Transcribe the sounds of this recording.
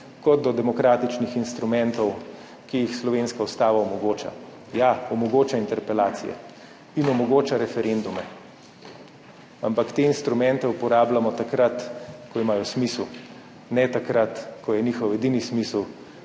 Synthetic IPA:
kɔd̪̚d̪ɔd̪ɛmɔkɾaːt̪it͡ʃnixinst̪ɾumɛnt̪ɔw | kijixslɔʋeːnskaust̪aːʋaɔmɔɡoːt͡ʃa̰ | jaɔmɔɡoːt͡ʃaint̪ɛɾpɛlaːt̪sḭjɛ̰ | inɔmɔɡoːt͡ʃaɾɛfɛɾend̪umɛ | ampakt̪eːinst̪ɾumɛ̃nt̪ɛupɔɾaːblamɔt̪akɾat̪kɔimaːjɔsmisl | nɛt̪akɾat̪kʰɔjɛniːxɔwɛd̪iːnismisl

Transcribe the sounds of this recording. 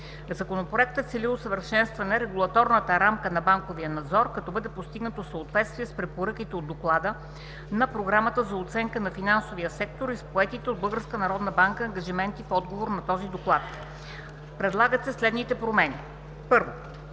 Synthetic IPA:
zɐkonopɾoɛk̚t̪ət̪sɛlilˠosəvəɾʃɛnst̪vɐnɛɾɛɡulˠɐt̪ɔɾnət̪əɾamkənɐbaŋkovijənɐd̪zɔɾkɐt̪ɔbɤd̪ɛpost̪iɡnət̪osəot̪vɛt̪st̪viɛspɾɛpoɾɤkit̪ɛod̪ːoklˠad̪ə | nɐpɾoɡɾamət̪əzɐot̪sɛŋkənɐfinansovijəsɛk̚t̪oɾispoɛt̪it̪ɛod̪̚bɤlˠɡəɾskənɐɾɔd̪nəbaŋkəːŋɡɐʒimɛnt̪ifɔd̪ɡovoɾnɐt̪ɔzid̪oklˠat̪ | pɾɛd̪lˠaɡət̪sɛslɛd̪nit̪ɛpɾomɛni | pɤɾvo

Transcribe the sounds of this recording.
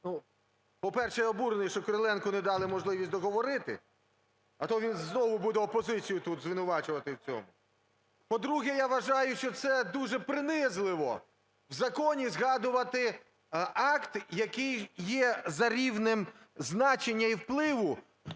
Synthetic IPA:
nu | pɔpɛrʃɛjɔbuɾenɪjʃt͡ʃɔkɔɾelˠɛnkʊnɛd̪ɑlˠɪmɔʒlˠɪʋʲisʲd̪ɔɦɔʋɔɾɪt̪ɪ̰ | ɐt̪ɔʋʲinznɔʋʊbud̪ɛɔpɔzɪt͡sʲijʊt̪ut̪zʋɪnʊʋɑt͡ʃʊʋɐt̪ɪwt͡sʲɔ̰mʊ | pɔd̪ɾuɦɛjaʋɐʒɑjʊʃt͡ʃɔt̪sɛd̪uʒɛpɾɪnɪzlˠɪʋɔ | wzɐkɔnʲizɦɑd̪ʊʋɐt̪ɪ | ɑkt̪jɐkɪjjɛzɐɾʲiwnɪm | znɑt͡ʃenʲːɐiwplˠɪʋʊ

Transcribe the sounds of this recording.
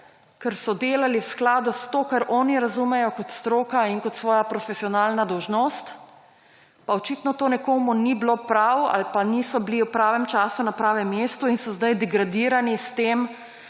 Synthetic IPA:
kɛɾsɔd̪eːlaliwsklaːd̪ust̪oːkaɾʔɔːniɾazumɛjɔkɔt̪st̪ɾoːkaiŋkɔt̪sʋɔːjapɾɔfesiɔnaːlnad̪ɔwʒnost̪ | paɔt͡ʃiːt̪nɔt̪oːnɛkoːmunibloːpɾawa̰lpaniːsɔbliwpɾaːʋɛmt͡ʃaːsunapɾaːʋɛmːjeːst̪uinsɔzd̪ajd̪ɛɡɾad̪iːɾanist̪eːm

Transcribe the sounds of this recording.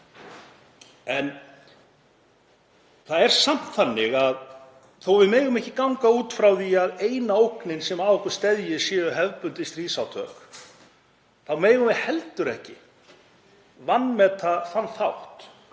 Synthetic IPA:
ɛn | θaðɛɾ̥sam̥t̪θanːɪɣað | θowvɪðmɛːɣʏmɛhcɪkawŋkauːt̪fɾawðiaðeːjnaowknɪnsɛmaðɔhkʏ̥st̪ɛðjɪsjɛːðʏɦɛvpʏnt̪ɪst̪ɾiːsawt̪ʰœ̰ːk | θawmeːjɣʏmɪðhɛlt̪ʏɾɛhcɪ | vanːmɛt̪θaθanːθawht̪

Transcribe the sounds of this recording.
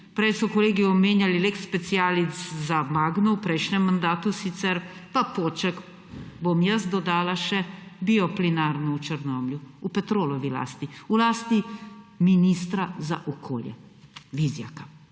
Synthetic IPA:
pɾɛjsɔkɔleːɡiɔmeːnjalilekspɛt̪sijaːliszamaːɡnɔwpɾɛjʃnɛmːand̪aːt̪usit̪sɛɾpapoːt͡ʃɛk | bomjəs̬d̪ɔd̪aːlaʃɛbiɔplinaːɾnɔut͡ʃəɾnɔmljuupɛt̪ɾoːlɔʋila̰ːst̪iulaːst̪iminist̪ɾaza̰ʔɔkʰo̰ːljɛ̰ | ʋizja̰ka

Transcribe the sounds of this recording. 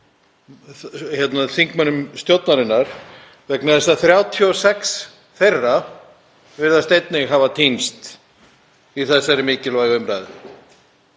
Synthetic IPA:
çɛt̪naθiŋkmanːʏmst̪jowt̪naɾɪnːaɾ̥ | vɛknaðɛst̪aθɾjaːwt̪ʰiɔsɛks | θejrːa | vɪɾðast̪ejt̪nɪɦavat̪ʰinst̪ | iθɛsːaɛɾɪmɪːcɪlvaːjɣʏmɾajðɪ

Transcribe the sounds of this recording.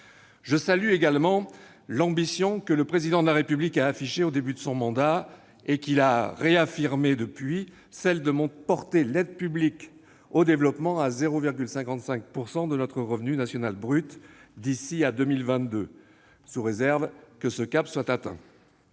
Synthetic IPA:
ʒəsalyeɡalmɑ̃ | lɑ̃bisjɔ̃kələpχezid̪ɑ̃d̪əlaʁepyblikaːfiʃeod̪ebyd̪əsɔ̃mɑ̃d̪a | ekilaʁeafiʁmed̪əpɥi | sɛld̪əmɔ̃pɔʁt̪elɛd̪pyblik | od̪evlɔpmɑ̃azeʁoviʁɡʲylsɛ̃kɑ̃t̪sɛ̃k̚puʁsɑ̃d̪ənɔt̪χəʁəvnynasjɔnalbʁyt̪d̪isiad̪ømilvɛ̃t̪̚d̪ø | suʁezɛʁvkəsəkapswat̪at̪ɛ̰̃

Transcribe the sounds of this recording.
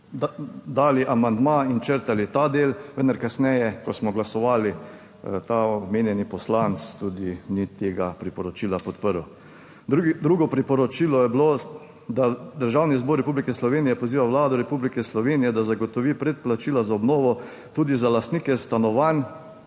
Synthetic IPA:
d̪aːliʔamand̪maint͡ʃəɾt̪alit̪ad̪eːlʋənd̪aɾkasnɛjɛkɔsmɔɡlasɔʋaːli | t̪aɔɔmeːnjɛnipɔslant̪st̪uːd̪init̪eːɡapɾipɔɾɔt͡ʃiːlapɔt̪pəɾw̪ | d̪ɾuːɡɔpɾipɔɾɔt͡ʃilɔjɛblo | d̪ad̪əɾʒawnizboɾːɛpublikɛslɔʋeːnijɛpɔziːʋaʋlaːd̪ɔɾɛpublikɛslɔʋeːnijɛd̪azaɡot̪ɔʋiːpɾɛt̪̚plat͡ʃiːlazaɔbnoːʋɔ | t̪uːd̪izalast̪niːkɛst̪anɔʋan

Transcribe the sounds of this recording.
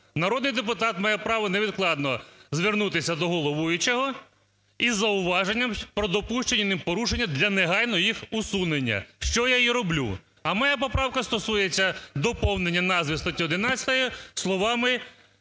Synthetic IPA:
nɐɾɔd̪nɪjd̪epʊt̪ɑt̪mɑjɛpɾɑʋɔneʋʲid̪klˠɑd̪nɔzʋʲernut̪ɪsʲɐd̪ɔɦɔlˠɔʋujʊt͡ʃɛɦɔ | izːɐʊʋɑʒenʲːɐmpɾɔd̪ɔpuʃt͡ʃenʲɐnɪmpɔɾuʃenʲːɐd̪lʲɐneɦɑjnɔjixʊsunenʲːɐ̰ʃt͡ʃɔjajiɾɔblʲṵ | ɐmɔjapɔpɾɑwkɐst̪ɔsujet͡sʲːɐd̪ɔpɔwnenʲːɐnɑzʋʲist̪ɐt̪ʲiɔd̪ɪnɑt͡sʲɐ̥t̪ɐjislˠɔʋɑmɪ

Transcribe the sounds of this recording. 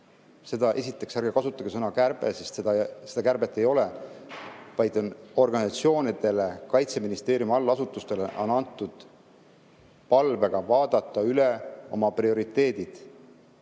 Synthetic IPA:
se̞d̪ɑʔe̞sit̪ːˑe̞ksærɡ̥ekɑsut̪ːˑɑkɡesɤnɑkærb̥e̞̰sest̪se̥ɑse̞d̪̥ɑkærb̥e̞t̪ːe̞jo̞le | vɑjd̪o̞no̞rɡ̥ɑnisɑt̪sio̞ːnid̪̥e̞le̞kɑjt̪se̞minist̪e̞ːɾjumɑlːɑsut̪ːˑust̪e̞leʔo̞̰nɑnt̪ːˑud̪̥ | pɑlve̞ɡ̥ɑvɑːd̪ɑt̪ˑːɑyle̞o̞mɑprio̞ɾit̪ːˑe̞ːd̪̥id̪̥

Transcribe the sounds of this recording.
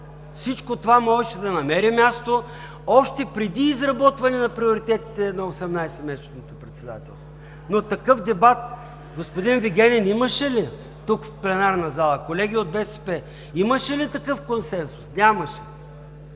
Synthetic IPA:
fsit͡ʃkot̪ovamɔʒɛʃɛd̪ɐnɐmɛɾimʲjast̪o | ɔʃt̪ɛpɾɛd̪iːzɾɐbɔt̪vɐnɛnɐpɾioɾit̪ɛt̪i̥t̪ɛnɐosɛmnajsɛmɛsnot̪opɾɛt̪sɛd̪a̰t̪ɛ̰lˠst̪vo | not̪ɐkɤfd̪ɛbat̪̚ | ɡospod̪inviɡʲɛnʲɛniməʃɛli | t̪ukfplɛnaɾnɐzalˠɐkolɛɡʲiod̪̚bɛsɛ̥pɛ | iməʃɛlit̪ɐkɤfkonsɛnsʊ̥snʲamɐʃɛ̥

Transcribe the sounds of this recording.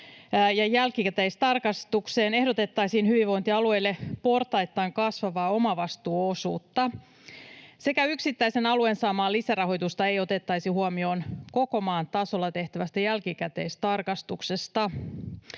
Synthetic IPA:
jɑjælkikæt̪eist̪ɑrkɑst̪ukseːne̞hdot̪e̞t̪ːɑisiːnhyʋiʋʋo̞int̪iɑlue̞jlːepo̞rt̪ɑjt̪ːɑːŋkɑsʋɑʋɑːo̞mɑʋɑst̪uːosṵːt̪ːɑ | se̞kæyksit̪ːæisenɑluensɑːmɑːlisærɑho̞jt̪ust̪ɑe̞jot̪et̪ːɑjsihuomio̞ːnko̞komɑːnt̪ɑso̞lːɑt̪e̞ht̪æʋæst̪æjælkikæt̪ḛːst̪ɑrkɑst̪uksest̪ɑ

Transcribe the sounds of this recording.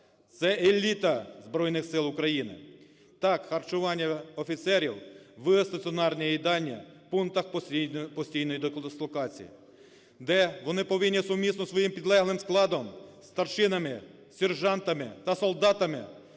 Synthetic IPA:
t̪sɛelʲit̪ɐzbɾɔjnɪxsɪlˠʊkɾɐjinɪ̰ | t̪ɑkxɐrt͡ʃʊʋɑnʲːɐɔfʲit̪sɛɾʲiwʋɪst̪ɐt͡sʲiɔnɑrnʲɛid̪ɑnʲːɐ̰punt̪ɐxpɔsʲtʲijnɔjid̪ɔkslˠɔkɑt͡sʲḭjḭ | d̪ɛʋɔnɪpɔʋɪnʲːisʊmʲːisnɔsʋɔjimpʲid̪lˠɛɦlˠɪmsklˠɑd̪ɔmst̪ɐrʃɪnɐmɪ | sʲɛrʒɑnt̪ɐmɪt̪ɐsɔlˠd̪ɑt̪ɐmɪ̰

